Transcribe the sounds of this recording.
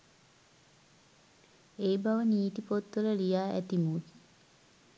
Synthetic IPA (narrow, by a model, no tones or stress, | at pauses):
eːbaʋəniːt̪ipot̪ːələlijaːæ̰t̪imuk